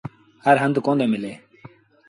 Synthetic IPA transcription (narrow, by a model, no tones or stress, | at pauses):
hɐɾɦənd̪kõnd̪eːmɪleː